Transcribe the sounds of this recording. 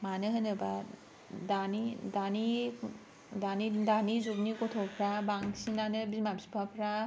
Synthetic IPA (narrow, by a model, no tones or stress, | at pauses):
manɯɦɯnɯba | danidani | danidanizub̚nikɔtʰɔpʰɾabaŋsinanɯbimabsi̥pʰapʰɾa